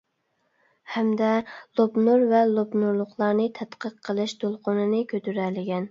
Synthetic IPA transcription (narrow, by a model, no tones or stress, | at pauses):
hɛmd̪ɛlˠobnuɾvɛlˠobnuɾlˠʊχlˠɑɾnɨt̪ʰɛt̪qʰəqʰːəlˠɨʃd̪̥olˠqonɨnɨkʲøt̪ʰyɾɛlɪɡʲɛn